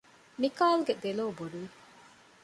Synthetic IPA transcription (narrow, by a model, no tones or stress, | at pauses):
mikaːluɡed̪eloːboɖuʋe